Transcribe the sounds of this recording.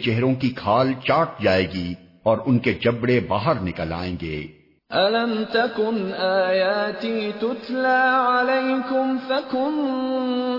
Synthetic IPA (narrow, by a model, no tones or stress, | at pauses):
t͡ʃɛɦɾõkikʰaːlt͡ʃaːʈ̚d͡ʒaːeːɡi | ɔːɾʊnked͡ʒɐbɽebaːɦəɾnɪkəla̰ːḛ̃ːɡḛː | ʔalamt̪akʊnʔaːjaːt̪iːt̪ʊt̪laːʕalejkʊmfakʊn